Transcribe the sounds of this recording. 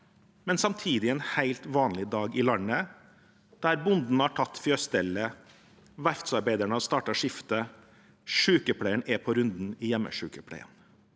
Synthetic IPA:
mɛnsɑmt̪ʰiːd̪ɪeːnhæɪlt̪ʋɑːnlɪd̪ɑːɡɪlɑnə | d̪̥æɾbʊnd̪n̩hɑʈʰɑt̪ːfjøːst̪ɛlə | ʋæɾft̪sɑɾbæɪd̪æɳɔst̪ɑːʈɑʂɪft̪ə | ʂʉːkəpʰlæɪəɳʔɛpʰɔɾʉnd̪n̩iːjɛmːə̰ʂʉːkəpʰɽæ̰ɪə̰n

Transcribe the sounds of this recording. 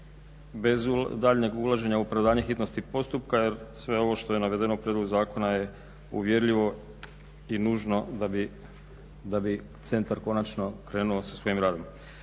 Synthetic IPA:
bezd̪aːʎɲe̞ɡulˠaʒe̞ɲaupɾaʋd̪aːɲexit̪no̞st̪ipo̞st̪upkaje̞ɾsʋe̞o̞ʋo̞ʃt̪o̞jenaʋe̞d̪enoupɾjed̪lˠoɡuzaːko̞naje̞ | ṵʋje̞ɾʎiʋo̞ | inuːʒno̞abi | d̪abi | t̪se̞nt̪aɾko̞nat͡ʃno̞kɾe̞ːnuosasʋo̞jimɾaːd̪o̞m

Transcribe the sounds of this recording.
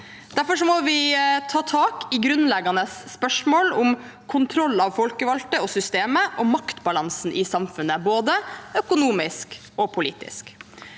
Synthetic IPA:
d̪̥æɾfɔʂɔmɔʋɪt̪ʰɑːt̪ʰɑːkɪɡɾʉnlɛɡɑnəsːpœʂmoːlʊm | kʰʊnt̪ʰɾɔlːɑʋfɔlkəʋɑlt̪əɔsʏst̪eːməʔɔmɑkt̪bɑlɑnsnʔɪsɑmfʉnːəboːd̪əœkʊnuːmɪsk | ɔpʰʊlḭːt̪ɪ̰sk

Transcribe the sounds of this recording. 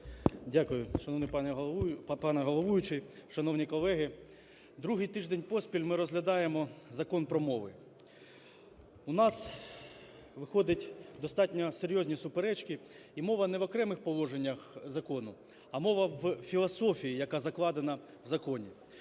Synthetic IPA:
dʲakʊjʊʃɐnɔnɪpɑpɑnɛɦɔlˠɔʋujʊt͡ʃɪʃɐnɔwnʲikɔlˠɛɦɪ | d̪ɾuɦɪjt̪ɪʒd̪enʲpɔsʲpʲilʲmɪɾɔzɦlʲɐd̪ɑjemɔzɐkɔnpɾɔmɔʋɪ | unɑs | ʋɪxɔd̪ɪtʲd̪ɔst̪ɑtʲnʲɔseɾʲjɔzʲnʲisʊpeɾɛt͡ʃki | imɔʋɐnɛʋɔkɾɛmɪxpɔlˠɔʒenʲːɐxzɐkɔnʊ | ɐmɔʋɐwfʲilˠɐsɔfʲijijɐkɑzɐklˠɑd̪enɐ | wzɐkɔnʲi

